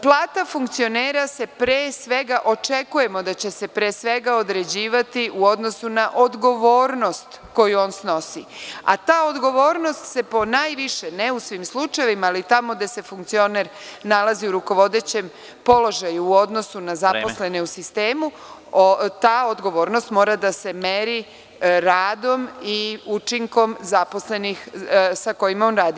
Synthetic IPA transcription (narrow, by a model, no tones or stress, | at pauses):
plˠaːt̪afuŋkt̪sio̞neːɾase̞pɾeːsʋe̞ɡaʔo̞t͡ʃe̞kuje̞mo̞d̪at͡ɕe̞se̞pɾesʋe̞ɡao̞d̪ɾe̞d͡ʑiːʋat̪iʔuo̞d̪no̞sunaʔod̪ɡo̞ʋo̞ːɾno̞st̪ | ko̞juo̞ːnsno̞sia̰t̪aːod̪ɡo̞ʋo̞ːɾno̞st̪se̞po̞najʋiʃeneusʋiːmslut͡ʃajeʋimaːlit̪amo̞ɡd̪ese̞fuŋk̚t̪sio̞neɾnalaziuɾuko̞ʋo̞d̪e̞t͡ɕe̞m | po̞lo̞ʒajuuo̞d̪no̞sunazaposle̞neusist̪eːmu | t̪aːod̪ɡo̞ʋo̞ːɾno̞st̪mo̞ːɾad̪ase̞me̞ɾi | ɾaːd̪o̞miut͡ʃiŋko̞mzaposle̞nixsako̞jimao̞ːnɾaːd̪i